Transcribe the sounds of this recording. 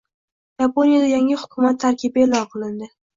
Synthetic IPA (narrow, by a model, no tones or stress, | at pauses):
japʰonijad̪ajaŋʲɪhʊ̥kʲʰʊmat̪ʰːaɾkʲʰɪbelɒqʰɨlˠɪnd̪ɪ